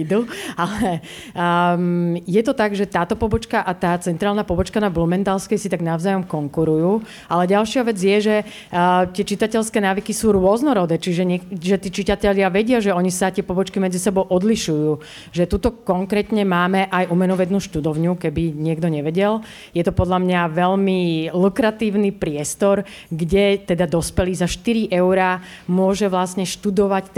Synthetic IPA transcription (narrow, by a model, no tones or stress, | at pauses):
d̪ualɛ | jɛt̪ɔt̪aɡʒɛt̪aːt̪ɔpɔbɔt͡ʃkaʔat̪aːt͡sɛnt̪ɾaːlnapɔbɔt͡ʃkanablumɛnt̪alskɛjsit̪aɡnaʊzaːjɔmkɔŋkuɾujuː | alɛɟalʃɪaʋɛd͡zɪjɛʒɛ | t̪ɪɛt͡ʃit̪acɛʎskɛːnaːʋikisuːɾʊɔznɔɾɔd̪ɛːt͡ʃiʒɛɲɛʒɛt̪iːt͡ʃit̪acɛʎɪaʋɛɟɪaʒɛɔɲisat̪ɪɛpɔbɔt͡ʃkimɛd͡zisɛbɔʊʔɔd̪liʃujuː | ʒɛt̪ut̪ɔkɔŋkɾɛːt̪ɲɛmaːmɛʔajʔumɛnɔʋɛnuːʃt̪ud̪ɔʊɲukɛbiɲɪɛɡd̪ɔɲɛʋɛɟɛl | jɛt̪ɔpɔd̪ʎamɲaʋɛʎmilukɾat̪iːʊnipɾɪɛst̪ɔɾ | ɡɟɛt̪ɛd̪ad̪ɔspɛliːzaʃt̪iɾiʔɛʊɾaːmʊɔʒɛʋlasɲɛʃt̪ud̪ɔʋac̪